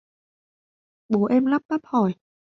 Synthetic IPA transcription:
ɓo˨˦ʔɛ˧mla˦˥p̚ɓa˦˥p̚hɔ˧˩j

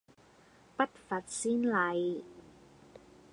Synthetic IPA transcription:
pɐ˥t̚fɐ˨˩t̚siː˥nlɐ˨˧j

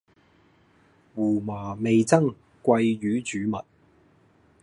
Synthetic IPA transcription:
wuː˨˩maː˨˩me˨jt͡sɐ˥ŋ | kʷɐ˧jjyː˨˥t͡ʃyː˨˥mɐ˨t̚

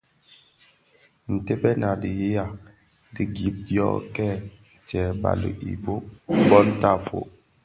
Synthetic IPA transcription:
n̩˨te˦bɛ˦na˨di˨je˦ja˨ | di˦ɡi˨˦p̚djɔ̰˦ʔkɛ˦˨ | t͡ʃɛ˨ba̰˨lə̰˨ʔḭ˨bo˦bɔ˦n˦ta˦˨fo̰˨ʔ

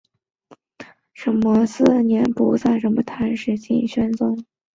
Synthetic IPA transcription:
ʂə˧˩nmə˧s̩˥˩njɛ˧˥npṵ˧˥sa˥˩ɪʂə˧˥mə˧˩t̪ʰa˧˥nʂɻ̩˨˩t͡ɕḭ˥˩nɕɥɛ˥nt͡sʊ˥ŋ

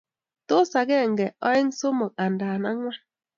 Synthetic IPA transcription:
to˦sa˨ɡe˦˨ŋ̩˨ɡɛ˨ɔ˦ɪ˦ŋ˦so˦mo˨k̚a˨n̩˨da˨na˦ŋʷa˦

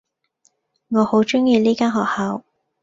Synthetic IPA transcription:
ŋɔː˨˧ho˨˥wt͡ʃʊ˥ŋjiː˧liː˥kaː˥nɦɔː˨k̚haː˨˥w

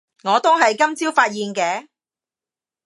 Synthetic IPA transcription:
ŋɔː˨˧t̪o˥wɦɐ˨jkɐ˥mt͡siː˥wfaː˧t̚jiː˨nkɛː˧˥

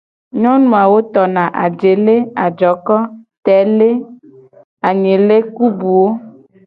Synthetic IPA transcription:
ɲɔ̃˦nũ˨a˨wo˦t̪ɔ˨nã˨ʔa̰˨d͡ʒe˨le˦a˨d͡ʒɔ˨kɔ˦t̪ɛ˨˦le˦ | a˨ɲẽ˨le˦ku˦bu˨wo˦

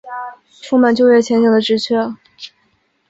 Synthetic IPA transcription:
ʂu˥˧ma˨˩nt͡ɕjo˥˧ʊɥɛ˥˩t͡ɕʰjɛ˧˥nɕi˨˩d̪ə˧ʈ͡ʂɻ̩˧˥t͡ɕʰɥɛ˥

